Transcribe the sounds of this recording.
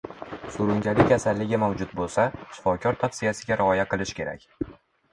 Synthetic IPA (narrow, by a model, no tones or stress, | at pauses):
sʊɾʊŋd͡ʒalɪkʲʰasalːɪɡʲamawd͡ʒʊt̪bolˠsaʃɪ̥fɒkʲʰɒɾt̪ʰafsɪjasɪɡʲaɾɪɒjaqɨlˠɪʃkʲe̞ɾa̰kʲ